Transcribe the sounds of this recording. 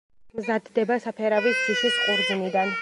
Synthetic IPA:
mzad̪ːɛbasapʰɛɾavisiʃisqʼuɾd̪zinid̪an

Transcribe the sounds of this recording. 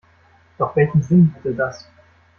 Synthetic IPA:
d̥ɔχv̥ɛlçn̩zɪnvidədas

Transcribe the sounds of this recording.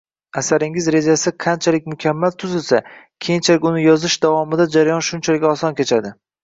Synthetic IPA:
asaɾɪŋɪzɾe̞d͡ʒasɪqʰant͡ʃʰalɪk̚ʲmʊkʲʰamːalt̪ʰʊzɪlsa | kʲʰe̞jɪnt͡ʃʰalɪkʲʊnɪjɒzɪʃd̪avɒmɪd̪ad͡ʒaɾajɒnʃʊnt͡ʃʰalɪkʲɒsɒnkʲʰet͡ʃʰad̪ɪ

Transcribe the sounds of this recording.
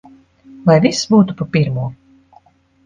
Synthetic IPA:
vajvisbuːt̪upɔpiɾmuɔ

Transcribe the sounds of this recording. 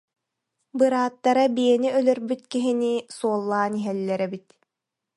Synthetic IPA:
bɯɾaːt̪ːaɾabiɛniœlœɾbyt̪kiɦinisuɔlˠːaːniɦɛlːɛɾɛbit̪

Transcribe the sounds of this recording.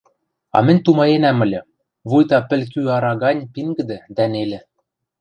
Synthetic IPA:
ɑ̰mɘ̆nʲt̪umɑenæmɤ̆lʲɤ̆ | βujt̪ɑpɘ̆lʲk̬yɑɾɑɣɑnʲpiŋɡɘ̆d̪ɘ̆d̪ænelʲɘ̆

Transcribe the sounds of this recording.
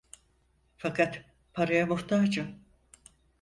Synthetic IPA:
fakʰat̪ | pʰaɾajamuht̪ʰad͡ʒɯ

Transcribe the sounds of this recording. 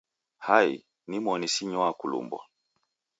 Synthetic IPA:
haḭ | nimɔnisiɲɔakulṵmbwɔ̰

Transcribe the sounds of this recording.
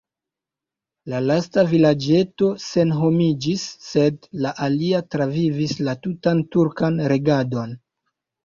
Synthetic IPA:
lalastavilad͡ʒe̞to̞se̞nɦo̞mid͡ʒisːe̞dlaʔaliatɾavivislatutantuɾkanɾe̞ɡado̞n

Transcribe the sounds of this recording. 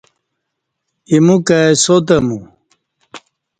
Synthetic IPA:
imukaesot̪̬ɐmu

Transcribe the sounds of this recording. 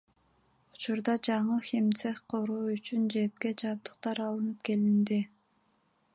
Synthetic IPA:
u̥t͡ʃuɾd̪ɑd͡ʒɑɴɯxʲimt̪sefqʰoɾuːyt͡ʃynd͡ʒe̞p̚ke̞d͡ʒɑp̚d̪ɯq̚t̪ɑɾɑlˠɯnɯp̚ke̞lind̪i

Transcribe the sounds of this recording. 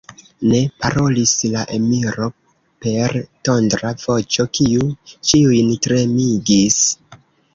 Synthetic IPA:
ne̞paɾo̞lislaʔe̞miɾo̞ | pe̞ɾto̞ndɾav̥o̞t͡ʃo̞kiut͡ʃiujntɾe̞miɡis

